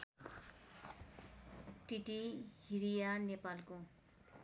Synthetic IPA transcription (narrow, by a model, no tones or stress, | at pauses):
ʈiʈihiɾijanepalko